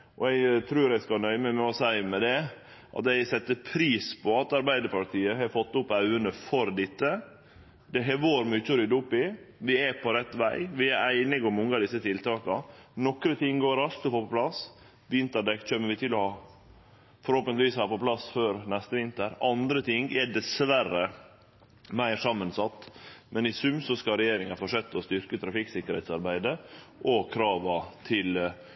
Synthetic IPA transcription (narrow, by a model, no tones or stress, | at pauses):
ʔɔɛɪɡt̪ʰɾʉːɾɛɪskɑnœʏməmɛɔsæɪmɛd̪ɛ | ʔɑ̰t̪ɛɪsɛt̪ːəpʰɾiːspʰɔɑt̪ɑɾbæɪd̪əɾpɑɾt̪ʰiːəɦɑɾfɔt̪ːʊpːɑʉənəfɔɾd̪ɪt̪ːə | d̪ɛɦɛʋoːɾmʏt͡ʃːɔɾʏd̪ʊpːɪʋɪɛpʰɔɾɛt̪ːʋæɪʋɪæɾæɪnɪɡɔmɔŋːəɑd̪ɪsːət̪ʰɪlt̪ʰɑːkɑ̰nɔkɾət̪ʰɪŋːɡoːɾɑlt̪ɔfoːpɔplɑs | ʋɪnt̪əɖɛk̪c͡çœmːəʋɪt̪ʰɪlːɔhɑː | fɔɾhoːpənɪʋiːshɑːpɔpʰlɑsføːɾnɛst̪əʋɪnt̪əɾɑnd̪ɾət̪ʰɪŋɛɖɛsʋærə | mæɪsɑmːənsɑt̪ːmɛnɪsʉmsɔskɑɾɛjeːɾɪŋɑfɔʂɛt̪ːɔst̪ʏɾkət̪ʰɾɑfɪksɪkːəɾhɛ̰t̪sɑɾbæɪd̪əʔɔkʰɾɑːʋɑt̪ʰɪl